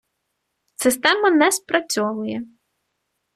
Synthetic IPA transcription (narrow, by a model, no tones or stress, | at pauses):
sɪst̪ɛmɐnɛspɾɐt͡sʲɔʋʊjɛ